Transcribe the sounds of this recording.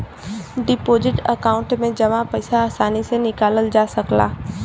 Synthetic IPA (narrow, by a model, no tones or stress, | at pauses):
ɖɪpoːd͡ʒɪʈəkaːʊ̃ɳʈmẽd͡ʒɐʋãpɐɪsaaːsaːnisenɪkaːləld͡ʒaːsɐkla̰ː